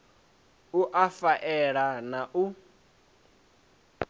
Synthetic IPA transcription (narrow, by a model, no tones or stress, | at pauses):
uʔafaʔɛɺanaʔu